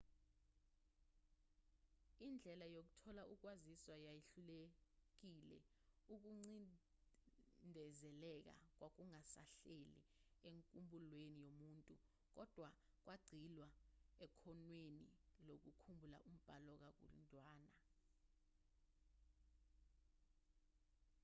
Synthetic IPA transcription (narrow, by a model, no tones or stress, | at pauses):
ind͡ɮʱɛlajok̬u̥tʰɔlaʔuk̬waziswajajeɬulek̬ilɛ̰ | uk̬uŋ͡ǀi | ndʱɛzɛlɛk̬a̰k̬wak̬uŋasa̰ɬelḭeŋkʼumbʱulwenijomuːntʼu | k̬ɔd̥ʱwa | k̬wʔaɡ͡ǀʱilwaɛkʰɔnwenilok̬ukʰumbʱulaʔum̩b̥ʱalɔk̬ak̬wo̰lṵntʼwaːna